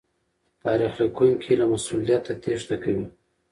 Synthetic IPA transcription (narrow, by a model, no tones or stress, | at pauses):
t̪ɑɾixlakojmkʰelamasulijat̪at̪eʐd̪akawi